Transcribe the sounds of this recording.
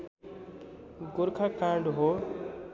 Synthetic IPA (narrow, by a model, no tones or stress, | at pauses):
ɡʊɾkʰakaːɳɖɦo